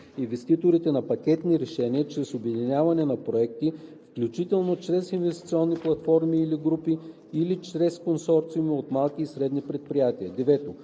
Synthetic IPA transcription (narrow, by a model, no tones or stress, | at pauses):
invɛst̪it̪oɾit̪ɛnɐpɐkʲɛt̪niɾɛʃɛniət͡ʃɾɛsobɛd̪inʲavɐnɛnɐpɾoɛk̚t̪ifklʲut͡ʃit̪ɛlˠnot͡ʃɾɛsinvɛst̪i̥t̪sʲiɔnːiplˠɐt̪fɔɾmiːliɡɾupiː | lit͡ʃɾɛskonsɔɾt̪siumiot̪malˠkiːsɾɛd̪nipɾɛt̪̚pɾijat̪iəd̪ɛvɛt̪o